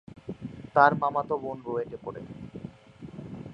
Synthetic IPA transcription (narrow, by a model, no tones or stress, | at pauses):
t̪aɾmamat̪obonɾoeʈepoɾḛ